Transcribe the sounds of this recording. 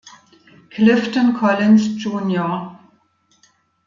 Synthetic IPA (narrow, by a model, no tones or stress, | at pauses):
kʰlɪftɔnkʰɔlɪnsd͡ʒuːnjɔ